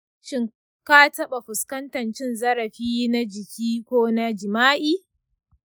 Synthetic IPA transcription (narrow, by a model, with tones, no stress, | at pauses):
ʃɪ˦ŋ | kaː˦tɐ˦ɓa˨ɸʊ˨skɐ˦ntɐ˨nt͡ʃɪ˦nzɐ˦ɾɐ˨ɸiː˦na˦d͡ʒɪ˨kʲiː˦kʷoː˦na˦d͡ʒɪ˨maː˦ʔiː˦